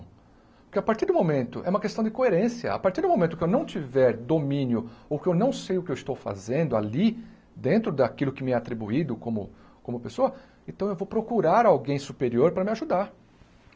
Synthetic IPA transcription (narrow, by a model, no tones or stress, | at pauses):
pʊɾkɪapaɾt̪iɾd̪ʊmomẽnt̪ʊʔɛũmɐkest̪ɐ̃d͡ʒɪkoeɾẽsjɐ̰a̰paɾt̪iɾd̪ʊ̃momẽnʊkɪewnɐ̃w̃t͡ʃivɛɾd̪omĩnjʊowkɪewnɐ̃w̃sejʊkɪewist̪owfa̰zẽnd̪ʊali | d̪ẽnt̪ɾʊd̪akilʊkɪmɪɛat̪ɾibuid̪ʊkõmʊ̰ | kõmʊpesoɐ | ẽnt̪ɐ̃w̃ewvowpɾokuɾaɾawɡẽj̃supeɾioɾpɾɐmɪaʒud̪aɾ